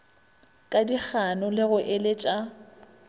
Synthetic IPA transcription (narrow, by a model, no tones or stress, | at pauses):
kʼadik͡xʰanʊlɪɣʊʔɪlɪt͡ʃʼa